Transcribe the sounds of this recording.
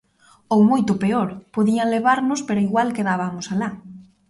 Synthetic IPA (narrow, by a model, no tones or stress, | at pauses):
owmojt̪ʊpeoɾpoðialeβaɾnʊspeɾʊiɣwalkeðaβamʊsala